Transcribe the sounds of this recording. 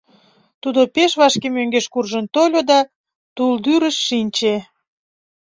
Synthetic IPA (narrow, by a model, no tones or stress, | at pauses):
t̪ud̪opeʃβɑʃkemøŋɡeʃkurʒənt̪olʲod̪ɑ | t̪uld̪yɾəʃːinʲt͡ɕe